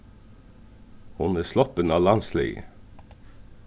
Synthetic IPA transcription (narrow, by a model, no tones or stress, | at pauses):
hʊnæːslɔpənɑːlɑnslḭː